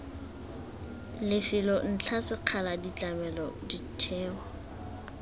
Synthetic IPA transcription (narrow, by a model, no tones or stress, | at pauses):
lɪfɪlɔn̩t͡ɬʰasɪq͡χʰaladit͡ɬʼamɛlɔ̰ditʰɛːwɔ